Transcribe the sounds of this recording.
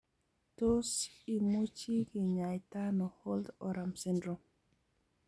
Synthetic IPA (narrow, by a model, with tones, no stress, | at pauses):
to˦si˨mu˦t͡ʃi˦ɡi˨ɲa˨jta˦nɔ˨hɔ˦ldɔɾa˨msɛ˦ndɾo˨